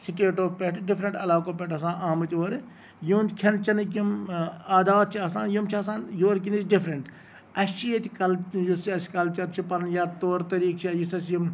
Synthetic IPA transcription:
siʈeːʈoːpeʈɖɪfɾɐɳʈɐlaːkoːpeʈɐs̬ãːnʔaːmɨt̪ʲoːɾ | juːnʲkʲʰɐnt͡ʃɐnɨk̬imaːd̪aːt̪̚t͡ʃʰiɐsãːnjumt͡ʃʰiɐs̬ãːnjoːɾkinit͡ʃɖɪfɾɐɳʈ | ɐt͡ʃʰiɐt̪ʲikɐljusiɐskɐlt͡ʃɐt̪̚t͡ʃʰipɐɾnjaːt̪oːɾt̪ɐɾiːkt͡ʃʰajisɐsjim

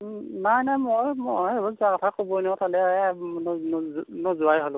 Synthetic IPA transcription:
najnajmɔjmɔbɔzʊakɔtʰakobɔenɔtʰalɛn | nɔzʊajɦɔl

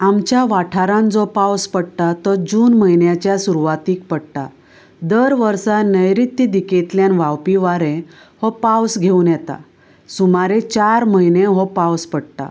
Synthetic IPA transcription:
amt͡ɕjaʋaʈʰaɾãnd͡zɔpawspəɽt̪at̪əɾd͡ʑuːnməjnjat͡ɕjasuɾuʋat̪iːk̚pəɽt̪a | d̪əɾʋəɾsanəjɾit̪ːid̪iket̪ljanʋawpiʋaɾẽ | hɔpawsɡʱeunjɛt̪a̰ | sumaɾet͡ɕaɾməineɦɔpãwspəɽt̪a̰

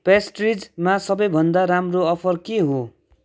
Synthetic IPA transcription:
pesʈrid͡zmasʌbʌjbʱʌnd̪aɾamroʌpʰʌrkeɦo

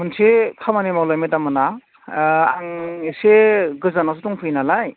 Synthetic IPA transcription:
mɯnsekʰamanemawlajmetamɯna | aŋseɡɯzanas̬etuŋpʰɯjnalaj

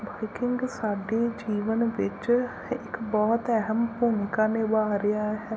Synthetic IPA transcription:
baːɪkɪŋɡsaːɖeːd͡ʒiːʋənʋɪt͡ʃ | ɪkbɔːt̪ɛɦəmpunɪkaːneːʋaːɾɪjaːɦɛː

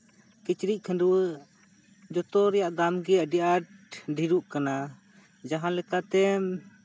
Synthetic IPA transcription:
kit͡ʃɾic̚ˀkʰənduwə | d͡ʒɔt̪ɔɾɛjaʔd̪amɡɛjaʔɖɛʔaʈɖʱiɾuʔkana | d͡ʒaɦalɛkat̪ɛm

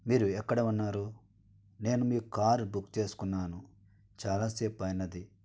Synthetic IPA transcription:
miːɾuɛkːɐɽɐunːaːɾu | ne̞ːnumiːkaːɾbukt͡ʃe̞ːsu̥kunːaːnu | t͡ʃaːlaːseːpɐjnɐd̪i

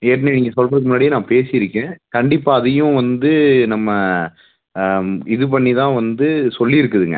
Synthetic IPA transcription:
eːʈːnenɪːŋɡɐsɔlpɐɾɯk̬ːɯmʊnːaːɽɪinãːpeːsɪjɪɾɯkːẽːkɐɳɖɪpːaːɐðɐjʊ̃ʋɐnd̪ɯnɐmːɐ | ɪðɯp̬ɐɳːit̪ãːʋɐnd̪ɯsɔlːiɪɾɯkːɯðɯŋɡɐ̰

